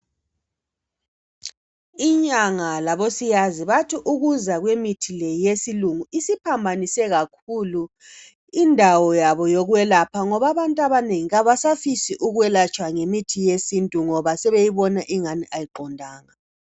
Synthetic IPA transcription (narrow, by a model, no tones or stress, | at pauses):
iɲaŋalaβosijaziβatʰiʔuɣuzaɣwemitʰilɛjesiluŋuisipʰambʱanisɛɣakʰulu | indʱawɔjaβɔjoɣuwɛlapʰaŋɔβaβantʼaβaneŋiɣaβasafisiʔuɣuwɛlat͡ʃʼwaŋemitʰijesintʼuŋɔβasɛβejiβɔnaʔiŋaniʔajiǃɔndʱaːŋa